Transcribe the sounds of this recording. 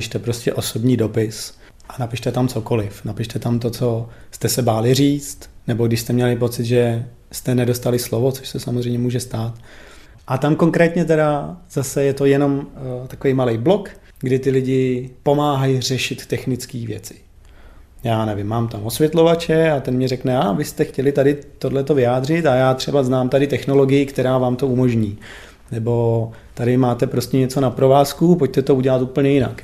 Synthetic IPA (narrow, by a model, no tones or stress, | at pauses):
ɪʃt̪ɛpɾo̞scɛʔo̞sobɲiːdo̞pɪs | ʔanapɪʃt̪ɛt̪amt͡so̞ko̞lɪfnapɪʃt̪ɛt̪amt̪̬o̞t͡so̞st̪ɛsɛbaːlɪriːt͡st̪nɛboɡdɪʃst̪ɛmɲɛlɪp̬o̞t͡sɪt̪ʒɛ | st̪ɛnɛdo̞st̪alɪslovo̞t͡soʃsɛsamozr̝ɛjmɲɛmuːʒɛst̪aːt̪ | ʔat̪amko̞ŋkɾɛːt̪ɲɛt̪ɛɾazasɛjɛt̪o̞jɛno̞mt̪akovejmalɛjblo̞k | ɡdɪt̪ɪlɪɟɪpo̞maːɦajr̝ɛʃɪt̪ːɛxnɪt͡skiːvjɛ̰t͡sɪ̥ | jaːnɛvɪmːaːmt̪amo̞svjɛt̪lo̞vat͡ʃɛat̪ɛnmɲɛɾɛknɛavɪst̪ɛxcɛlɪt̪adɪt̪o̞dlɛt̪o̞vɪaːd̪r̝ɪt̪ajaːt̪r̝̥ɛbaznaːmt̪adɪt̪ɛxno̞lo̞ɡɪjɪkt̪ɛɾaːvaːmt̪o̞umo̞ʒɲiː | nɛbo̞ | t̪adɪmaːt̪ɛpɾo̞scɛɲɛt͡so̞napɾo̞vaːskupoc̚t̪ɛt̪o̞uɟɛlat̪uːpl̩ɲɛjɪna̰k